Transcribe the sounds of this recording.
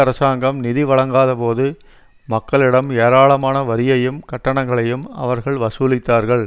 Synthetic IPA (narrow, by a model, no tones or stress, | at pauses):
ɐɾɐsaːŋɡɐmnɪðɪʋɐɭɐŋɡaːðɐpoːðɯ | mɐkːɐɭɪɽɐmeːɾaːɭɐmaːnɐʋɐɾɪjɐjɯmkɐʈːɐɳɐŋɡɐɭɐjɯmɐ̰ʋɐɾɣɐɭʋɐsuːlɪt̪ːaːɾɣɐɭ